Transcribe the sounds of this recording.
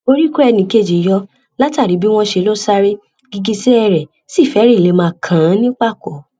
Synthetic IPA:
o˧ɾi˦ku˦ɛ˧˨nĩ˧˦ke˦˨d͡ʒi˨jɔ˧˦ | la˦ta˦˨ɾi˨˦bi˦w̃ɔ̃˧ʃe˧˦lo˦sa˦ɾe˦ | ɡi˧ɡi˧se˦ɛ˧ɾɛ˨ | si˦˨fɛ˨˦ɾi˦˨le˨˦mãː˧˨kʰã˨˦nĩ˦k͡pa˦˨kɔ˨˦

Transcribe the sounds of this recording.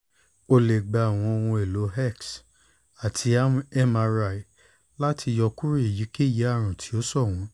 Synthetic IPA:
o˧le˨ɡ͡ba˧a˨w̃ɔ̃˧o˧w̃ɔ̃˧e˨lo˨˦ɦɛ˦˨ks | a˨tʰi˧˦a˦m˦ɛ˦ma˧ɾa˧i˨ | la˦tʰi˧jɔ˧ku˦ɾi˦e˨ji˨˦ke˦˨ji˨˦a˦˨ɾ̃ũ˨tʰi̥˨˦o˦sɔ˦˨w̃ɔ̃˨˦

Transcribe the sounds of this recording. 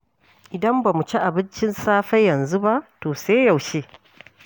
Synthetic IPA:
ʔɪ˨dɐ˦mbaː˨mu˨t͡ʃi˦ʔa˨bɪ˦nt͡ʃɪ˦nsaː˦ɸɐ˦jːɐ˨nzu˦ba˦ʔtoː˨seː˦jɐ˨wʃeː˦

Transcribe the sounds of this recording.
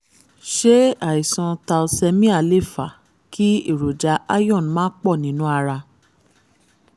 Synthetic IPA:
ʃe˦a˨i˨sã˧ta˧lsɛ˧mĩ˦a˦˨le˦˨fa˨ | ki˦i˦˨ɾo˨d͡ʒa˨˦ʔa˦jɔ̃˦˨n˨mãː˦k͡pɔ˦˨nĩ˨˦nũ˦a˧ɾa˧

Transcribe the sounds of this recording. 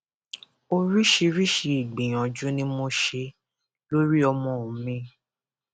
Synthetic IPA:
o˧ɾi˦ʃi˧ɾi˦ʃi˧i˨ɡ͡bĩ˨j̃ã˨d͡ʒũ˦nĩ˦mo˧ʃe˧ | lo˦ɾi˦ɔ˧mɔ̃˧o˨mĩ˧

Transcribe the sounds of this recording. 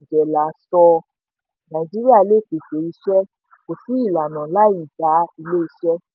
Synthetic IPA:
d͡ʒɛ˨la˨˦sɔ˧ | nã˨d͡ʒi˦ɾi˦a˦˨le˦˨ke˨ke˨˦i˧ʃɛ˦ | ko˨fũ˨˦i˦˨la˨nã˨˦la˦i˦˨d͡ʒa˨˦i˧le˦i˧ʃɛ˦

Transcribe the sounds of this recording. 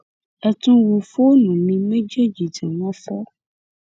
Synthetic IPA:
ɛ˨t̪ũ˦wu˨fo˦nũ˨mĩ˨mẽ˦d͡ʒe˦d͡ʒi˨d͡ʒe˨nɔ̃˦fɔ˦

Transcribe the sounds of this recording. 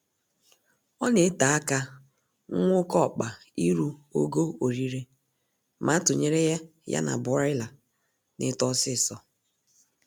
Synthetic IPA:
ɔ˦ne˨˦ta˨a˦ka˦ | ŋ̩˦ŋʷʊ˦kɔ˦˨k͡pa˨ | i˦ɾu˦o̰˦ɡo˦o˨ɾi˦ɾe˦ | ma˨˦tʊ˨ɲe˦ɾe˦ja˦ | ja̰˦na̰˨bʊ˨˦ɪ˦la˨ | nɪ̰˦tɔ˦sɪ˦˨sɔ˦

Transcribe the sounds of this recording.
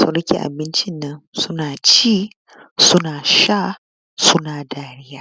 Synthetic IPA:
sɐ˨ɽɐ˦kʲḭ˨ʔa̰˨bɪ˦nt͡ʃɪ˦nːɐ˦nsʊ˦naː˨t͡ʃiː˦ | sʊ˦naː˨ʃa˦ | sʊ˦naː˨daː˨˦ɽɪ˦jaː˦˨

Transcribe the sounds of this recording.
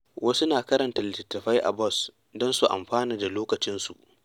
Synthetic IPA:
wɐ˦su˦naː˨kɐ˦ɾɐ˨nta˨lɪ˨tɪ˨tːɐ˨ɸa˦jʔa̰˨bɔ˦s | dɔ˦nsu˨ʔa̰˨mɸaː˦niː˨da˨loː˦kɐ˨t͡ʃɪ˦nsṵ˨ʔ

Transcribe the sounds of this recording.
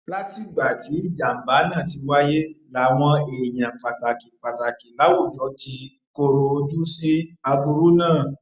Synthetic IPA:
la˦ti˦˨ɡ͡ba˨ti˨˦i˦˨d͡ʒa˨m̩˨ba˨˦nã˦˨ti˧wa˦je˦la˨˦w̃ɔ̃˧e˨j̃ã˨k͡pa˨ta˨ki˨k͡pa˨ta˨ki˨la˨˦wo˦˨d͡ʒɔ˨˦ti˧ | ko˧ɾo˧d͡ʒu˦si˦a˧bu˧ɾu˦nãː˦˨

